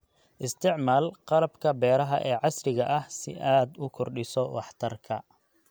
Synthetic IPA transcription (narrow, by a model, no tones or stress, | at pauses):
ʔɪst̪ʰɪʕmaːlqɑlɐbkʰɐbɛːɾɐɦɐ̰ʔɛːʕɑsrɪɣɐʔɐhsɪ̰ʔaːd̪ʊkʰʊrɖɪsɔwɑ̰ħt̪ʰɐrkʰɐ̰